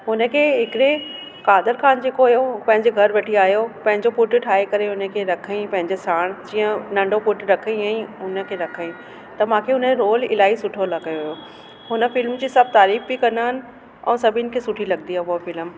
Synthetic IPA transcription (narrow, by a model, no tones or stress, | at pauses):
ɦʊnə̆kʰeːɦɪkɪɾe | kaːd̪əɾkʰaːnd͡ʑeːkoɐjopɐ̃ɦɪ̃ɲd͡ʑeɡʱɐɾʋɐʈʰiaːɦjopɐ̃ɦɪ̃ɲd͡ʑopʊʈʈʰaːekɐɾeʊnə̆kʰeːɾɐkʰəĩpɐ̃ɦɪ̃ɲd͡ʑesaːɽ̃d͡ʑiːə̃nɐ̃ɳɖʱopʊʈɾɐkʰĩɛ̃ːʊnə̆kʰeːɾɐkʰəĩ | t̪ɐmãːkʰeʊnəɾoːlɪ̰laːisʊʈʰolɐɡɐjoɦjo | ɦʊnə̆fɪlmd͡ʑiːsɐb̚ʱt̪aːɾiːfbikɐ̃naɦɪnɪ̆ | ɛ̰̃ːsɐbʱɪn̆kʰeːsʊʈʰilɐɡd̪iapːfɪlm